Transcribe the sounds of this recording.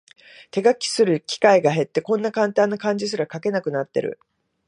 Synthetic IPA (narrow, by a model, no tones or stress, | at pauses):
t̪e̞ɡakʲi̥sɨɾɯ̟kʲi̥kaiɡaɦe̞t̪ːe̞kõ̞nːakãnt̪ãnːakãɲ̟d͡ʑis̬ɨɾakake̞nakɯ̟nat̪ːe̞̰ɾɯ̟̰